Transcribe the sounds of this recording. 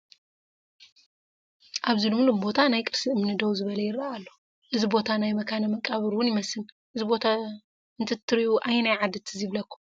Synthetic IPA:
ʔaβzilumlumbo̞t̪ʰanajkʼɨɾsiɨmnɨd̪ɐwzɨβɐlɐjɪɾːaalːo | ʔɨzibo̞t̪ʰanajmɐkʰanɐmɐkʼaβɨɾwʊnjɪmɐsɨn | ʔɨzibo̞t̪ʰa | ɨnt̪ʰɨt̪ʰːɨɾiʔuʔajnajʕad̪ɨt̪ʰɨziβlɐkːu̥

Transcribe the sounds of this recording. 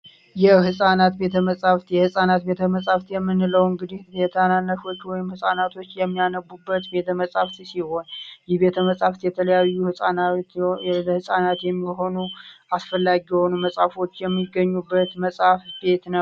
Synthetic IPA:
jɛhɨsʼanat̪be̞t̪ʰəməsʼaft̪jɛhɨsʼanat̪̚be̞t̪ʰəməsʼaft̪jɛmːɨnːləwɨŋɡɨd̪ihbet̪ʰananːəto̞t͡ʃːwɔjɪmhɨsʼanat̪ʰo̞t͡ʃːjɛmːijanəbːubːət̪be̞t̪ʰəməsʼaft̪siho̞njɛhbe̞t̪ʰəməsʼaft̪jɛt̪ʰələjajːuhɨsʼan | hɨsʼanat̪jɛmːiɦo̞nuʔasfəlːaɡijɛho̞numəsʼafo̞t͡ʃːjɛmːiɡːəɲːubːət̪məsʼafbe̞t̪nəw

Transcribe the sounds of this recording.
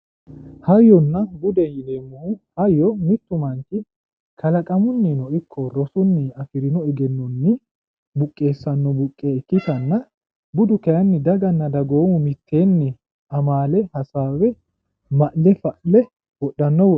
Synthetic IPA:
hɐjːɔnːɐbʊd̪ɛjɪleːmːʊhʊhɐjːɔmɪt̪ːʊmɐŋkɪ | kʰɐlɐkʼɐmʊnːɪnɔɪkʰːɔɾɔsʊnːɪɐfɪɾɪnɔɪɡɛnːɔnːɪ | bʊkʼːe̞ːsːɐnːɔbʊkʼːeɪkːɪt̪ɐnːɐ | bʊd̪ʊkɛjɐnːɪd̪ɐɡɐnːɐd̪ɐɡo̞ːmʊmɪt̪ʰːe̞ːnːɪ | ɐmaːlɛhɐsaːwɛ | mɐʔlɛfɐʔlɛ | wɔɗːɐnːɔwɔ

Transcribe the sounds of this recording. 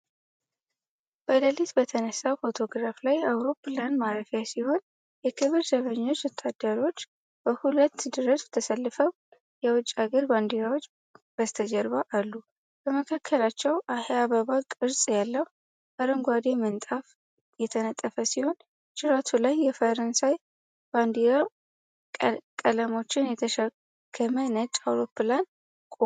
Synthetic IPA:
b̥əd̪əlit̪bət̪ʰənəsːawfot̪ʰo̞ɡɾaflajawɾo̞pːland̪maɾəfjasiho̞n | jɛkʰɨβɨɾzəβəɲːo̞t͡ʃːwɔt̪ʰːad̪ːəɾo̞t͡ʃː | b̥əhulət̪ːd̪ɨɾəst̪ʰəsəlːɨfəw | jɛwʊt͡ʃʼːaɡəɾband̪ijawot͡ʃː | b̥əst̪ʰəd͡ʒəɾβaʔalːu | b̥əməkʰakʰːəlat͡ʃːɛwʔaheaβaβakʼɨɾsʼjalːəw | aɾəŋɡʷad̪emɨnt̪ʼaf | jɛt̪ʰənət̪ʼːəfəsiho̞n | t͡ʃʼɪɾat̪ʰulajːɛfəɾənsaj | b̥and̪iɾa | kʼələmo̞t͡ʃːɪnjɛt̪ʰəʃə | kʰːəmənət͡ʃʼːawɾo̞pːɨlan | kʼo

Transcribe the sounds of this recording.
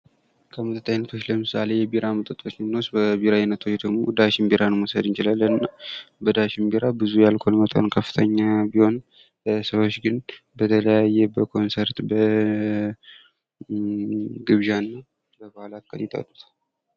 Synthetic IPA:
kʰəmət̪ʰʼət̪ʰʼːajnət̪ʰo̞t͡ʃːləmɨsale̞jɛbiɾamət̪ʼət̪ʼot͡ʃːmnːosbəbiɾajinət̪ʰo̞t͡ʃːd̪əɡmo̞d̪aʃɪmbiɾanmosəd̪ɨnt͡ʃilalːənɨnːabəd̪aʃɪmbiɾabɨzujalkʰolmət̪ʰʼa̰nkʰəfːɨ̥t̪ʰəɲːabiho̞n | səβo̞t͡ʃːɡɨnbət̪ʰələjajːɛbəkʰo̞nsəɾt̪bə | ɡɨβʒanːa | bəbahalat̪̚kʰʼə̰ljit̪ʼə̰t̪ʼːut̪ʰal

